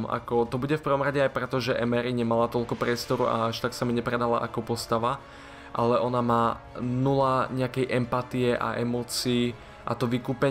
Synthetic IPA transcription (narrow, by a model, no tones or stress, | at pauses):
ma̰kɔt̪ɔbuɟɛfpr̩ʋɔmɾaɟɛajpɾɛt̪ɔʒɛʔɛmɛɾiɲɛmalat̪ɔʎkɔpɾɪɛst̪ɔɾua̰aʃt̪aksamiɲɛpɾɛd̪ala̰ʔa̰kɔpɔst̪aʋa | ʔalɛʔɔnamaːnulaɲɛakɛjʔɛmpat̪iɛʔa̰ʔɛmɔːt͡siː | ʔa̰t̪ɔʋikuːpɛ